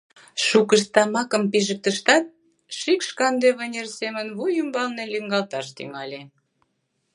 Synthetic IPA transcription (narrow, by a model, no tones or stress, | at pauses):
ʃukəst̪ɑmɑkəmpiʒək̚t̪əʃt̪ɑt̪̚ | ʃikʃkɑnd̪eβənʲersemənβujəmbɑlneliŋɡɑlt̪ɑʃt̪y̰ŋɑlʲe